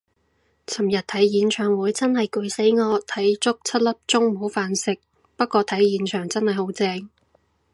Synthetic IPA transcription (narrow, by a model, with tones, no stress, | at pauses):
t͡sʰɐ˨˩mjɐ˨t̚t̪ʰɐ˨˥jjiː˨˧nt͡ʃʰœː˨˩ŋwuː˨˧˥jt͡sɐ˥nhɐ˨jkɵ˨˧ɥse˨˥jŋɔː˨˧t̪ʰɐ˨˥jt͡sʊ˥k̚t͡sʰɐ˥t̚lɐ˥p̚t͡sʊ˥ŋm̩˨ho˨˥wfaː˨˧nsɪ˨˩k̚ | pɐ˥t̚kʷɔː˧t̪ʰɐ˨˥jːiː˨˧˥nt͡ʃʰœː˨˩ŋt͡sɐ˥nhɐ˨jho˨˥wt͡sɛː˧ŋ